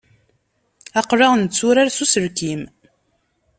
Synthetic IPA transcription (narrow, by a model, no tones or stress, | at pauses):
æqrɑʁnt͡sːuɾaɾsusəɾkim